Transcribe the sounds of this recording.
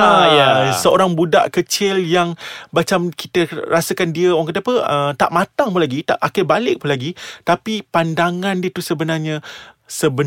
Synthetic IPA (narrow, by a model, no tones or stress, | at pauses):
jasəoɾaŋbuda̰ʔkət͡ʃɪljaŋmat͡ʃamki̥t̪ərasakandiəwaŋkət̪əapəət̪a̰ʔmãt̪aŋpulaɡit̪a̰ʔakəbalɪk̚punlaɡit̪apipandaŋãndiət̪usəbənarɲã | səbə